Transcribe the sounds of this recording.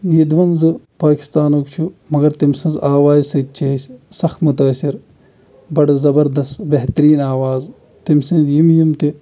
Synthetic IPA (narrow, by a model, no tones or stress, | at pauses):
jid̪ʋɐnzɨ | paːki̥st̪aːnokt͡ʃʰumɐɡɐɾt̪imsɐ̃nzaːʋaːzsɐt̪̚t͡ʃeːssɐxmʊt̪aːsiɾ | bɐɖzɐbɐɾd̪ɐst̪beɦt̪ɾiːnaːʋaːz | t̪imsɐ̃nzjimjimt̪i